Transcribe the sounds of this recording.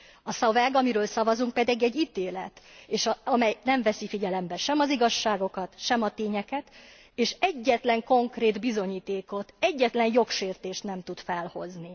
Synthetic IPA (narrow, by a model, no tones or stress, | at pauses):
ɒsɒvɛɡɒmiɾøːlsɒvɒzuŋk̚pɛd̪iɡɛɟːit̪eːlɛt̪eːʃɒɒmɛjnɛɱvɛsifiɟɛlɛmbɛʃɛmɒziɡɒʃːaːɡo̞kɒt̪ʃɛmɒt̪eːɲɛkɛt̪ | eːʃɛɟːɛt̪lɛŋko̞ŋkreːd̪bizo̞ɲiːt̪eːko̞t̪ɛɟːɛt̪lɛnjo̞kʃeːrt̪eːʃt̪nɛmt̪ut̪fɛlho̞̰zni